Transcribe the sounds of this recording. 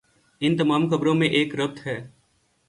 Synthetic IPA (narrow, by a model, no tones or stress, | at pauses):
ɪnt̪ɐmaːmkɐbɾõmẽʔeːkɾɐb̚t̪ɦɛː